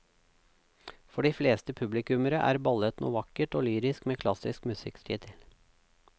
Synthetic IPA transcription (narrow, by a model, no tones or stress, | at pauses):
fɔɖiːfleːst̪əpʰʉblɪkʉməɾəʔæ̰ːɾbɑlət̪nṵːʋɑkəʈoːlyːɾɪskmeːkʰlɑsɪskmʉsɪ̰kst̪ʰḭːt̪ʰɪl